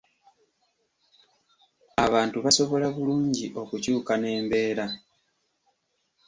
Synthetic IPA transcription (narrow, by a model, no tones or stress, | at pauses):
aβaːntuβaso̞βo̞laβuluːɲɟiʔo̞kucuːkane̞ːmbe̞ːɾa